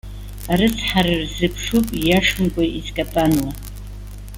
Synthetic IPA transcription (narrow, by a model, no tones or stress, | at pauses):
aɾɨt͡sʰħaɾɨrzɨpʰʂupʼjaʂmɡʷʼaʔizkʼapʼanwa